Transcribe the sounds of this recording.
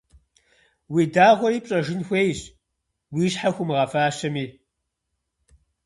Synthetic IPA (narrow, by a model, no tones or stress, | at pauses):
wiːdaːʁʷɔɾiːpʼɕʼɐʒɪnxʷeːjɕʼ | wiːɕħaxʷʊmɨʁɐfaːɕɐmiː